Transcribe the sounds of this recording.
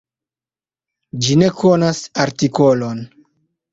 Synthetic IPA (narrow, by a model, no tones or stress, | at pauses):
d͡ʒine̞kʰonasaɾtikolon